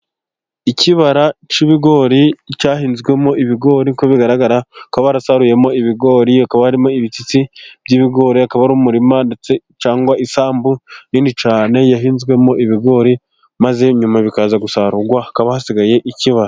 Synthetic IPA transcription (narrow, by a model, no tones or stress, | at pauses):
iciβaɾat͡ʃiβiɡo̞ːɾicaːɦiːnzɡwe̞mo̞ʔiβiɡo̞ːɾikoβiɡaɾaɡaɾakwaβaɾasaɾuje̞mo̞iβiɡo̞ːɾiakaβahaɾimo̞iβit͡sit͡sib̥̚ɟiːβiɡo̞ːɾiakaβaɾuːmuɾimande̞t͡se̞ | t͡ʃaːŋɡwaʔisaːmbuniːnit͡ʃaːne̞jaɦiːnzɡwe̞mo̞ʔiβiɡo̞ːɾi | maze̞ɲumaβikaːzaɡusaɾuɡwaakaβahasiɡaje̞ʔiciβaɾa